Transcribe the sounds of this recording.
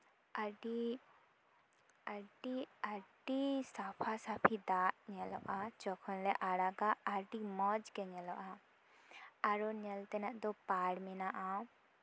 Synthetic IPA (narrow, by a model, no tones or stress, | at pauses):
aɖi | aʈiaʈisapʰasapʰid̪aʔɲɛlɔʔad͡ʒɔkʰɔnlɛʔaɽaɡaːɾʈimɔd͡ʒkɛɲɛlɔʔa | aɾɔnɛlt̪ɛnaʔd̪ɔpaɽmɛnaʔaw